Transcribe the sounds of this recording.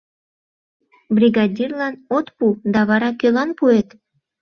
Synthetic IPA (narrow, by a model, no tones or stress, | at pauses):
briɡɑdʲirlɑnot̪pud̪ɑβɑɾɑkølɑnpuet̪